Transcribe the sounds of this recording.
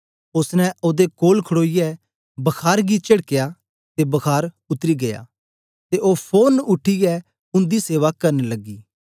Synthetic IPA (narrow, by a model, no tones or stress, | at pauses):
ʊsnɛ̃ʔoːd̪ekoːlkʰəɽoːijɛ | bɐkʰaːɾɡit͡ʃɐɽkɪja | t̪ebɐkʰaːɾ | ʊt̪ɾiɡɐja̰ː | t̪eʔoːpʰoːnʊʈʰːijɛ | ʊ̃nd̪iseːʋakɐɾnlɐɡiː